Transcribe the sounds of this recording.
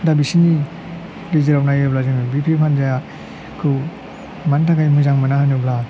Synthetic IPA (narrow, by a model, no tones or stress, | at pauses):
dabisini | lizeɾawnajeblaziŋɯbipʰepʰanzaja | kʰɯw | mantʰaɡajmuzaŋmanahanubla